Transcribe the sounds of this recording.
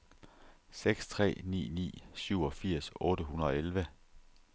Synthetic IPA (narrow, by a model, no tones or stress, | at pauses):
seɡ̥st͡sʰʁɛ̰ːnḭːnḭːsyʊɒ̽fiɐ̰sɔ̽ːɾəɦunɐðˠɒ̽elʋə